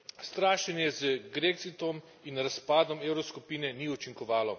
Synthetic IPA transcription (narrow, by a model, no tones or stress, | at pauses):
st̪ɾaːʃɛnjɛzəɡɾeksit̪ɔm | inɾaspaːd̪ɔmeːwɾɔskupiːnɛniut͡ʃiŋkɔʋaːlɔ